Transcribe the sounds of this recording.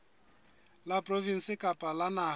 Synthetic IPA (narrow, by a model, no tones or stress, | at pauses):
lapʼrovin̩sɪkʼapʼalana